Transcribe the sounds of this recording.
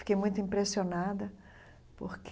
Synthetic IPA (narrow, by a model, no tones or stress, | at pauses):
fi̥kejmũj̃t̪ʊĩmpɾesionad̪ɐ | po̰ɾkʰ